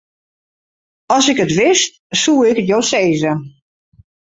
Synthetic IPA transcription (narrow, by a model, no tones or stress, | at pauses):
ɔsɪkətʋɪst | suːɪkətjoːseːzə